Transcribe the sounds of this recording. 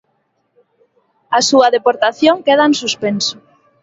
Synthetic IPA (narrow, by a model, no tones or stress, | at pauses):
asuɐðepoɾt̪aθjoŋkeðaensuspensʊ̥